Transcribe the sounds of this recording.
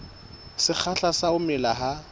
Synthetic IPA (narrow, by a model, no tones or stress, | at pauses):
sɪk͡xʰaɬasaʊmɪlaɦa